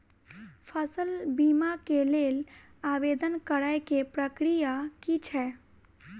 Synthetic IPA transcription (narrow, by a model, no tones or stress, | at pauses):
pʰəsəlbimakelelabed̪ənkəɾajkepɾəkɾijakit͡ʃʰɛ